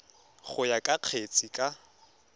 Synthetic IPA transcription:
χʊjakʼaq͡χʰet͡sʼikʼa

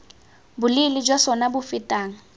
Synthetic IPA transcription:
bʊlɪlɪd͡ʒwasɔnabʊfɪtʼaːŋ̩

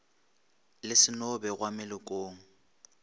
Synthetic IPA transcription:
lɪsɪnʊbɛɣwamɪlɪkʼoːŋ̩

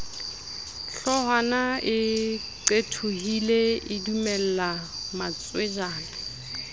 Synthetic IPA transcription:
ɬɔɦanaɪ | ǀetʰuhileɪdumɛl̩lamat͡sʼwed͡ʒaːnɪ

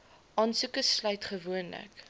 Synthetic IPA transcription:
ʔɑːnsukəslœɥtχəvuənlə̰k

